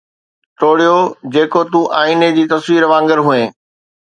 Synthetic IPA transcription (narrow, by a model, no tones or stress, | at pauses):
ʈ̪ʰoːɽijod͡ʑeːkot̪ũʔaːiːned͡ʑiːt̪ɐsʋiːɾʋãːŋɡəɾɦuẽː